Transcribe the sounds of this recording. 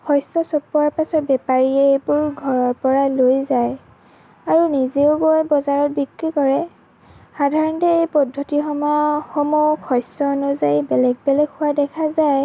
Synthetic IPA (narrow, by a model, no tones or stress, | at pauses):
xɔjsɔsɔpːɔaɹpasɔt̚bɛpaɹiɛejbʊɹɡʱɔɹɔɹpɔɹalojzaj | aɹunizeʊɡojbɔzaɹɔt̚bikɹikɔɹɛ | xadʱaɹɔnteejpɔdʱːɔtixɔmɔxɔmɔkʰɔjsɔnuzaibɛlɛɡ̚bɛlɛɡhʊwadɛkʰazaj